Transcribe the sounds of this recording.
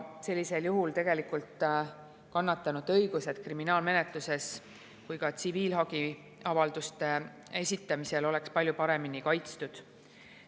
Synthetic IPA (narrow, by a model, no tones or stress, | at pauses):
se̞lʲːise̞ljuɦult̪e̞ɡ̥e̞likˑult̪ | kɑnːɑt̪ːˑɑnud̪̥ɤ̞jɡ̥use̞d̪̥̚kriminɑːlme̞ne̞t̪luse̞s | kujkɑt̪siviːlɦɑɡ̥i | ɑvɑld̪̥ust̪e̞ | e̞sʲit̪ːˑɑmise̞lo̞le̞kspɑlʲjupɑɾe̞minikɑjt̪st̪ud̪̥